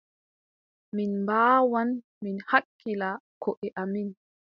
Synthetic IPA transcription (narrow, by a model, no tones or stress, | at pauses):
minmbaːwan | minhakːilakʰɔʔɛʔamin